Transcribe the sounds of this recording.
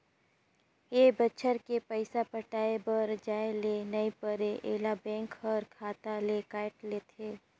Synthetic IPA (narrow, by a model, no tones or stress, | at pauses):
ebətːʃʰəɾkepəɪsapəʈaːebəɾd͡ʒaːelenɐipəɾeʔeːlabɛ̃ːŋkɦəɾkʰaːt̪alekaːɪʈleːt̪ʰeː